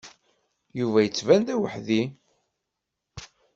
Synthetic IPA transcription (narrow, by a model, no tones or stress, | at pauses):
juvæjət͡sːvænd̪æwəħði